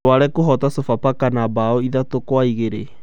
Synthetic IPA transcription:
waɾɛkoɦɔtasofapakanabaɔiðatokwaiɣeɾe

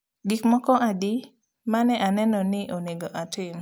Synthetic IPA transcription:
ɡikmɔkɔʔadi | manɛʔanɛnɔnɪʔoneɡoʔatɪm

